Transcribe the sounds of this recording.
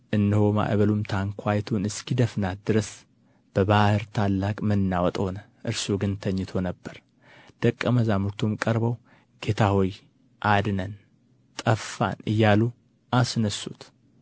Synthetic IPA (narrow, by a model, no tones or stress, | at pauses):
ʔɨnːɨhoma̰ʔβəlumt̪ʰaŋkʰʷajt̪ʰunɨskʰid̪əfnat̪̚d̪ɨɾəs | b̥əβahɨɾt̪ʰalːakʼmɨnːawɔt̪ʼhonəʔɨɾsuɡɨnt̪ʰəɲːɨt̪ʰo̞nəbːəɾ | d̪̥əkʼːəməzamuɾt̪ʰomkʼəɾbəw | ɡ̥e̞t̪ʰahoj | ʔad̪nən | t̪ʼəfːa̰nɨjːalu | ʔasnəsːṵt̪